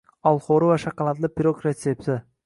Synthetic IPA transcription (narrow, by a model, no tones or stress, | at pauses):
ɑlˠχoɾɪvaʃaqɑlˠat̪lˠɪpiɾokɾet̪sept̪ɪ